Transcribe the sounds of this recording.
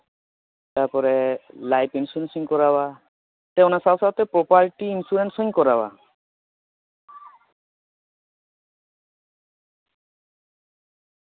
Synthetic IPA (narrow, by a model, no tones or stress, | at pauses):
t̪aɾpɔɾɛlajpinsuɾensiɲkɔɾaba | t̪ɛɔnasasawt̪ɛpɾɔpaɾʈiːnsuɾensɔɲkɔɾaba